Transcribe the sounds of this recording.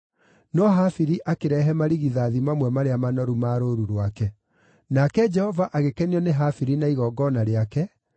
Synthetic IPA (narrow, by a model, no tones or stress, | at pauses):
nɔɦafiɾiʔakeɾɛɦɛmaɾiɣiðaðimamwɛmaɾeamanɔɾumaɾoɾuɾwakɛ | nakɛd͡ʒɛhɔvaʔaɣekɛniɔneɦafiɾinaiɣɔɡɔnaɾeakɛ